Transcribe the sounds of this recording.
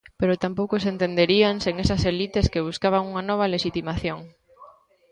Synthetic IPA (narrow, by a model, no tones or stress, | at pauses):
peɾot̪ampowkosent̪end̪eɾianseŋesɐselit̪eskeβ̞uskaβaŋuŋɐnɔβ̞ɐleʃit̪imaθjoŋ